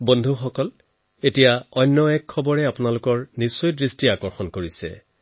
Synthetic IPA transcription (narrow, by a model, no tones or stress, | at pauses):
bondʱuxɔkɔl | etijaɔjnːɔɛkʰːɔbɔɹɛapʊnalʊkɔɹnisːojdɹistiakɔɹxɔnkoɹisɛ̰